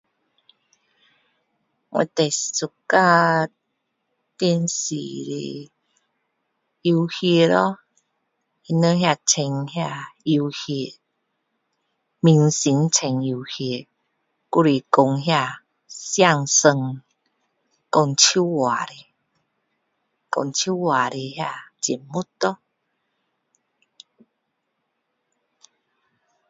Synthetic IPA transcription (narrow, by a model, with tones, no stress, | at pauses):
ŋwḛ̃˧˨t̪e˨˩i˨su˨˩ka˥˧ | t̪jə˧nsḭ˨ɾḛ˨ | i˧hje˧lɔ˦ | i˧nə̃˦ɦja˥˧˨t͡sʰɛ˧ŋhja˥˧˨i˧whje˧ | mi˧ŋsi˨˦nt͡sʰɛ˧ŋi˧whje˧ | ku˦˧ɾi˧˨ko˧ŋɦja˧˨ | sja˥˧˨ŋsə˧ŋ | kɔ˧ŋt͡ɕʰu˦wa˨ɾe˧˨ | kɔ̰˧˨ŋt͡ɕʰu˦wa˨˩ɾe˧ɦja˧˨t͡ɕi˨˩mmu˦t̪ɔ˦